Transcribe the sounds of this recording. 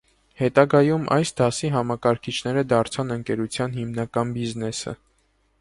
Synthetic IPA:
hɛt̪ɑɡɑjumʔɑ̰jsd̪ɑsiɦɑmɑkɑɾkʰit͡ʃʰnɛɾəd̪ɑɾt͡sʰɑnəŋkɛɾut͡sʰjɑnɦimnɑkɑnbiznɛsə̰

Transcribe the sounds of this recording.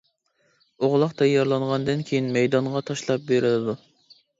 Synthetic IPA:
oʁlˠɑqt̪ʰɛjːɑɾlˠɑnʁɑnd̪ɪnkʲʰejinmɛjd̪ɑɴʁɑt̪ʰɑʃlˠɑp̚beɾɪlɪd̪u

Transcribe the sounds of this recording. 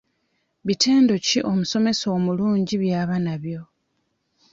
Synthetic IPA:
βitʰe̞ːndo̞ciʔo̞muso̞me̞so̞ːmuluːɲɟiβjaːβanaβjo̞

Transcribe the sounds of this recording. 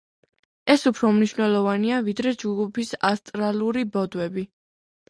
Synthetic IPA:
ɛsupʰɾɔmniʃwnɛlˠɔvaniavid̪ɾɛd͡ʒɡupʰisast̪ʼɾalˠuɾibɔd̪wɛbi

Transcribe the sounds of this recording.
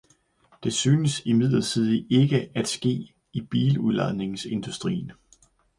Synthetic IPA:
d̥e̝syːnəsimið̞̰ˠlˠɐsʰið̞ˠe̝ɡ̥əæd̥sɡ̥e̝̰ː | ib̥iːluðˠlɑðˠne̝ŋse̝nd̥usd̥ʁḭːn

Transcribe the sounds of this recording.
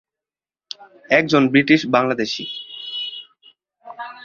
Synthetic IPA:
ɛk̚d͡ʑonbɾiʈiʃbaŋlad̪eʃḭ

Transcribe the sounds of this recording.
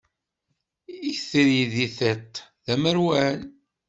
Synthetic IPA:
içθiɾiðiθet̪ːðæməɾwæn

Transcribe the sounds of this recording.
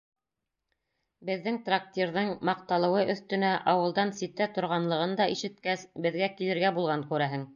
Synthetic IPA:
bɘ̆ðːɘŋt̪rak̚t̪ʲiɾðɤŋmɑq̚t̪ɑlˠɤ̆wɤʔɵ̆θt̪ɵ̆næʔɑwɤ̆lˠd̪ɑnsit̪æt̪ŏɾʁɑnlˠɤ̆ʁɤnd̪ɑʔiʃɘ̆t̪̚kæsbɘ̆ðɡækilɘ̆ɾɡæbulˠʁɑŋkʉɾæɦɘŋ

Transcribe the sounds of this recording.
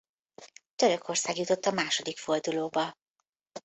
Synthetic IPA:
t̪øɾø̞kʰo̞rsaːɡjut̪o̞t̪ːɒmaːʃo̞d̪ikfo̞rd̪uloːbɒ

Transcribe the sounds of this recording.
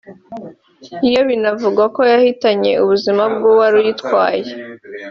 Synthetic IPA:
ijo̞βinavuɡwako̞jahitaɲe̞uβuzimab̚ɡuwaɾujitkwaːje

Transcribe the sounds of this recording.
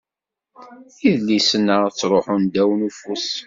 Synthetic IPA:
iðlːisənːəʁt͡sːɾˤoħund̪æwənufus

